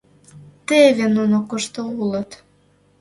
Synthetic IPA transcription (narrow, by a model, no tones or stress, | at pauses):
t̪evenunokoʃt̪oulət̪